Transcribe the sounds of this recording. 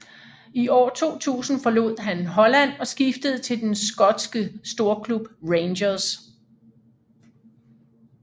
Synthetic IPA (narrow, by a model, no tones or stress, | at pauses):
iʔɒ̰ːt͡sʰo̝̰ːt͡sʰṵːsn̩fɒ̽lo̝ð̞̰ˠɦænɦɒ̽læn̰ɒ̽sɡ̥ifd̥əð̞̩ˠt͡sʰe̝ld̥ensɡ̥ɒ̽d̥sɡ̥əsd̥o̝ɐkʰlub̥ʁeɪnɕɐs